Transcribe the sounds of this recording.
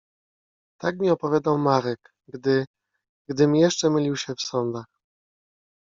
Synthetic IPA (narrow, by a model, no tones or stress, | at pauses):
t̪akmʲiɔpɔvʲjad̪awmaɾɛk | d̪ɘ | ɡd̪ɘmʲjɛʂt͡ʂɛmɘlʲiwɕɛfsɔnd̪ax